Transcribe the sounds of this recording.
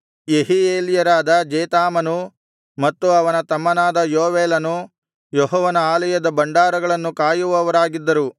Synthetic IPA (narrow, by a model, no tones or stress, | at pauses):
jeɦijeːljɐɾaːd̪ɐd͡ʒeːt̪aːmɐnu | mɐt̪ːuɐʋɐnɐt̪ɐmːɐnaːd̪ɐjoːʋeːlɐnu | jɔɦɔːʋɐnɐaːlɐjɐd̪ɐbɐɳɖaːɾɐɡɐɭɐnːukaːjuʋɐʋɐɾaːɡid̪ːɐɾu